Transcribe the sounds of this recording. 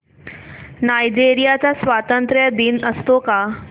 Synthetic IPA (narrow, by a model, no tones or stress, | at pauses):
najd͡ʑeɾijat͡sasʋat̪ənt̪ɾəjd̪inəst̪oka